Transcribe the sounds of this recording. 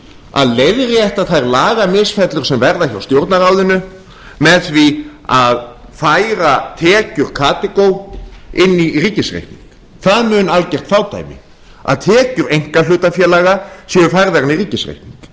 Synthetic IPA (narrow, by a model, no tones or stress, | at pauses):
a̰ðlejðɾɪɛht̪aðθajɾlaːɣamɪsfɛt̪lʏ̥sɛmvɛɾðaçaawst̪jowɾt̪naɾawðɪnʏ | mɛðθviað | fajɾat̪ʰɛːcʏɾ̥kʰaːt̪ɛkowɪnːiriːcɪsrḛjhp̪nḭŋk | θaðmʏːnalcɛr̥t̪faːwt̪ʰa̰ːjmɪ̰ | a̰ðt̪ʰɛːcʏɾejŋ̥kalʏːt̪afjɛːlaɣasjɛʏfajɾðaɾnːiriːcɪsrḛjhp̪niŋk